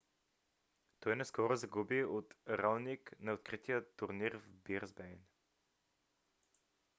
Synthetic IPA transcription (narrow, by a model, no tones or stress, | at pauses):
t̪ɔjnɛskɔɾʊzɐɡubiot̪ɾalˠniknɐot̪̚kɾit̪ijət̪uɾniɾvbiɾzbɛjn